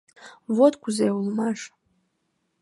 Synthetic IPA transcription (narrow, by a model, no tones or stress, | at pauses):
votʰʼkʷʰuzejwlmaʐ